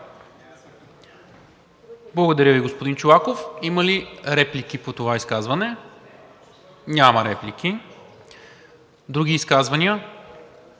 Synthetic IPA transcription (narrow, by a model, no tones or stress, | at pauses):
blˠəɡod̪ɐɾjəviɡospod̪int͡ʃoakofiməliɾɛplikipot̪ovaiskazvɐnɛ | nʲaməɾɛplik̟i | d̪ɾuɡ̟ʲiːskazvɐnʲiə